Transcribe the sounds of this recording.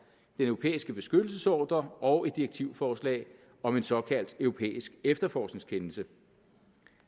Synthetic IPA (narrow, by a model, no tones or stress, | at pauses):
d̥enœʊo̝pʰḛːisɡ̥əb̥e̝sɡ̥ød̥l̩səsɒ̰ːd̥ɐɒ̽ʊe̝d̥ieɡ̥̚t͡sʰiʊfɒːslɛ̰ːɪ | ɒ̽me̝nsɒ̽kʰæl̰d̥øʊo̝pʰḛːisɡ̥efd̥ɐfɒːsne̝ŋskʰenl̩sə